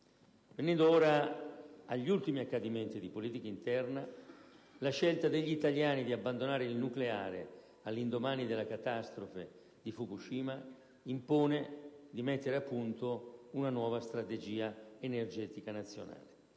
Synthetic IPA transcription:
venɛnd̪oɔːɾa | aʎːult̪imiakːad̪iment̪id̪ipoliːt̪ikaint̪ɛrna | laʃelt̪ad̪eʎːiit̪aljaːnid̪iabːand̪onaːɾeilnukleaːɾḛ | alːind̪omaːnid̪elːakat̪ast̪ɾofe | d̪ifukuʃiːma | impoːned̪imɛt̪ːeɾeapːunt̪ounanwɔːvast̪ɾat̪ed͡ʒiːaenerd͡ʒɛːt̪ikanat̪sːjo̰na̰ːle

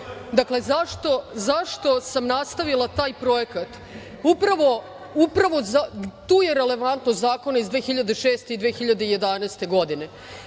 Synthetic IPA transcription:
d̪akle̞zaʃt̪o̞zaʃt̪o̞samnast̪aʋilˠat̪aːjpɾo̞jekat̪ | upɾaʋo̞ | upɾaʋo̞zat̪uːje̞ɾe̞le̞ʋant̪nozaːko̞naizd̪ʋeːxiʎad̪e̞ʃeːst̪e̞id̪ʋeːxiʎad̪eije̞d̪aneːst̪e̞ɡo̞d̪ine̞

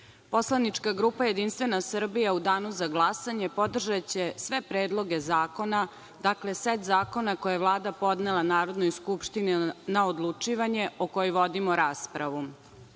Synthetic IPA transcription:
po̞slˠanit͡ʃkaɡɾuːpaje̞d̪inst̪ʋe̞nasr̩bijaud̪aːnuzaɡlˠasaɲe̞po̞d̪r̩ʒat͡ɕesʋe̞pɾeːd̪lˠo̞ɡezaːko̞na | d̪akleset̪zaːko̞nako̞jeʋvlˠaːd̪apo̞d̪nelˠanaːɾo̞d̪nojskupʃt̪ininaod̪lˠut͡ʂiʋaɲeokojoʋo̞d̪imoɾaːspɾaʋu

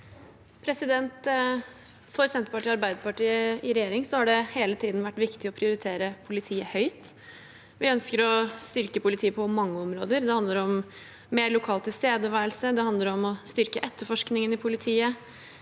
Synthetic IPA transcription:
pʰɾɛsɪd̪ɛnt̪ | fɔɾsɛnt̪əpɑʈiːɑɾbæɪd̪əpɑʈiːəɪɾɛjeːɾɪŋsɔhɑɖɛheːlət̪ʰiːd̪n̩ʋæʈːʋɪkt̪ɪɔpʰɾɪʊɾɪt̪ʰeːɾəpʰʊlɪt̪ʰiːəhœʏt̪ | ʋɪœnskəɾɔst̪ʏɾkəpʰʊlɪt̪ʰiːəpʰɔmɑŋːəɔmɾo̰ːd̪əɾd̪ɛhɑnd̪ləɾɔm | meːɾɭʊkʰɑːlt̪ʰɪlst̪eːd̪əʋæːɾəlsəd̪ɛɑnd̪ləɾɔmɔst̪ʏɾkəʔɛt̪ːəfɔʂknɪŋənɪpʰʊlɪt̪ʰiːə

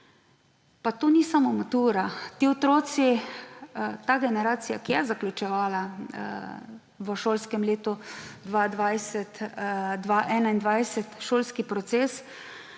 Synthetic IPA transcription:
pat̪oːnisamomat̪uːɾat̪iɔt̪ɾoːt̪si | t̪aːɡɛnɛɾaːt̪sija̰kijɛzaklʲut͡ʃɛʋaːla | ʋəʃoːlskɛmleːt̪ud̪ʋad̪ʋajsɛt̪d̪ʋaʔɛːnaind̪ʋajsɛt̪ʃoːlskipɾɔt̪seːs

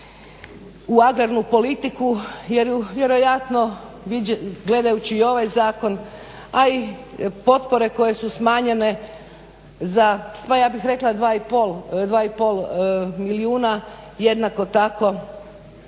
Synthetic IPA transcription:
uaɡɾaɾnupo̞lit̪ikujeɾuʋje̞ɾo̞jat̪no̞ | ʋiɡle̞d̪ajut͡ɕiːo̞ʋajzaːko̞n | aipo̞t̪po̞ɾe̞ko̞je̞susmaːɲe̞ne̞ | zapajaːbixɾe̞klˠad̪ʋaːipolˠd̪ʋaːipolˠmiliuːna | je̞d̪nako̞t̪ako̞

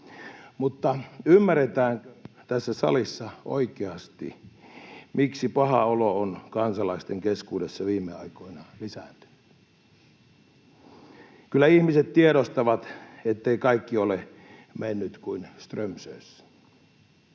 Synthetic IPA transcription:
mut̪ːɑymːæret̪æːnt̪æsːæsɑ̰lisːɑo̰ikeɑst̪ḭ | miksipɑhɑ̰oloonkɑnsɑlɑist̪eŋkeskuːdesːɑʋiːmːeɑ̰ikoinɑlisæ̰nt̪y̥n | kylːˑæihmiset̪tieɾost̪ɑʋɑt̪et̪ːeikɑikːiole | menːyt̪kuinst̪rømsø̰ːs

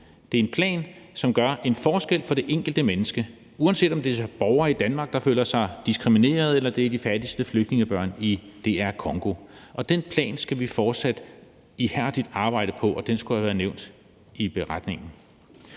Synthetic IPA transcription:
d̥e̝æɐe̝npʰlɛ̰ːnsɒ̽mɡ̥ɶɐʔe̝nfɒːsɡ̥el̰fɒ̽d̥e̝ʔeŋ̰ɡ̥l̩d̥əmenəsɡ̥ə | uænse̝̰ːd̥ɒ̽md̥e̝b̥ɒʊɐːid̥ænmɑ̈ːɡ̥̚d̥ɑ̈fø̰ːl̰ɐsɑ̈ɪd̥isɡ̥ʁimine̝̰ːɐð̩ˠelɐd̥eæɐd̥ifæd̥isd̥əfløɡ̥d̥ne̝ŋəb̥ɶɐ̰nid̥e̝æɐkʰɒ̽ŋɡ̥o̝ʔɒ̽d̥enpʰlɛ̰ːnsɡ̥æʋifɒːd̥sæd̥ | ihæɐd̥id̥ɑ̈ːb̥ɑ̈ɪ̰ɾ̥əpʰɒ̽ʔɒ̽d̥ensɡ̥uhæʋæːɐðˠneʊ̰nd̥ | ib̥e̝ʁad̥ne̝ŋn̩

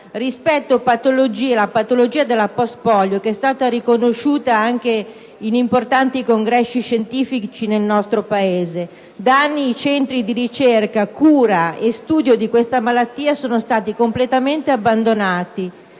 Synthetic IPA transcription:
rispɛt̪ːopat̪olod͡ʒiːelapat̪olod͡ʒiːad̪elːapɔst̪pɔljokeɛst̪aːt̪aɾikonoʃːuːt̪aaŋk̟e | inimport̪ant̪ikoŋɡɾɛsːiʃːent̪iːfit͡ʃinelnɔst̪ɾopaeːze | d̪aanːiːt͡ʃɛnt̪ɾid̪iɾit͡ʃerkakuːɾaest̪uːd̪jod̪ikwest̪amalat̪ːiːasoːnost̪aːt̪ikomplet̪ament̪eabːand̪onaːt̪i

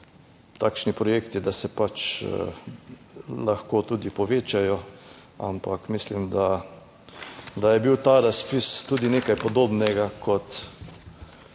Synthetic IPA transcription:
t̪aːkʃnipɾɔjeːkt̪id̪asɛpat͡ʃ | laxkoːt̪uːd̪ipɔʋeːt͡ʃajɔ | a̰mpakmislimd̪a | d̪ajɛbiwt̪aːɾaspist̪ud̪ineːkajpɔd̪oːbnɛɡakʰɔt̪

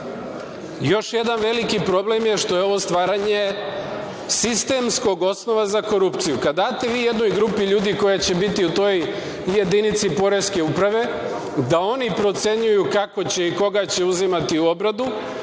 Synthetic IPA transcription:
jo̞ʃje̞d̪anʋe̞likipɾo̞ble̞mjeʃt̪o̞je̞o̞ʋo̞st̪ʋaːɾaɲe | sist̪e̞msko̞ɡo̞sno̞ʋazako̞ɾupt̪sijukad̪aːt̪e̞ʋiːje̞d̪no̞jɡɾupiʎuːd̪iko̞jat͡ɕe̞bit̪iut̪o̞j | je̞d̪init̪sipo̞ɾe̞ske̞upɾaʋe̞ | d̪ao̞nipɾo̞t̪se̞ɲujukako̞t͡ɕe̞iko̞ɡat͡ɕe̞uzimat̪iuo̞bɾad̪u

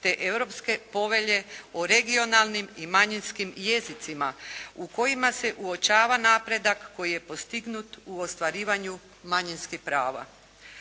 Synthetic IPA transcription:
t̪e̞ʔe̞wɾo̞pske̞po̞ʋe̞ʎe̞oɾe̞ɡio̞nalˠnimimaɲinskimje̞zit̪simauko̞jimase̞ʔuo̞t͡ʃaːʋanaːpɾe̞d̪akːo̞jije̞po̞st̪iɡnut̪uost̪ʋaɾiːʋaɲu | maɲinskixpɾaːʋa̰

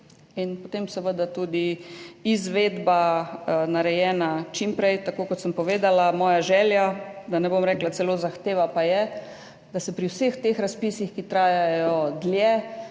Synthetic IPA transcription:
inpot̪emsɛʋəd̪at̪uːd̪iizʋed̪banaɾɛjɛːnat͡ʃimpɾɛjt̪akoːkɔt̪səmpɔʋeːd̪alamɔːjaʒɛːljad̪anɛbomɾɛklat̪sɛlozaxt̪eːʋapajɛ | d̪asɛpɾiwsext̪exɾaspiːsixkit̪ɾaːjajɔd̪ljɛ

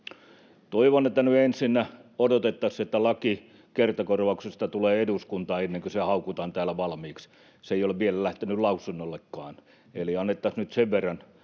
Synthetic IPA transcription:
t̪oiʋonet̪ːænyensinːæodot̪et̪ːɑset̪ːælɑki | kert̪ɑkorʋɑuksest̪ɑt̪uleːeduskunt̪ɑːenːeŋkøsæhɑukut̪ɑːnt̪æːlæʋɑlmiːks | seijoleʋʋielælæht̪enyllɑusunːolːekːɑːn | eliɑnːet̪ːɑsnyt̪seʋʋerːɑn

